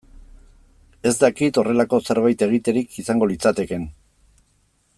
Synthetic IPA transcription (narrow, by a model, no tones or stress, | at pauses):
e̞zd̪akit̪o̞re̞lako̞se̞ɾβajt̪e̞ɣ̞it̪e̞ɾikisaŋɡo̞lit͡sat̪e̞ke̞n